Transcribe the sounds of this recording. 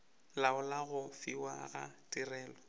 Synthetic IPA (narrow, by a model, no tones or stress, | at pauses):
laʊlaɣʊfiwa̰ɣa̰tʼirɛːlɔ